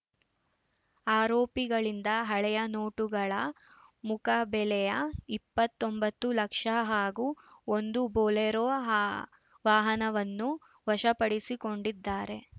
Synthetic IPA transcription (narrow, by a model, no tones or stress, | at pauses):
aːɾoːpiɡɐɭind̪ɐɦɐɭɛjɐnoːʈuɡɐɭɐ | mukɐbɛlɛjɐipːɐt̪ːombɐt̪ːulɐkʂɐɦaːɡuond̪uboːlɛɾo | ʋaːɦɐnɐʋɐnːu | ʋɐʂɐpɐɽisiko̞ɳɖid̪ːaːɾe̞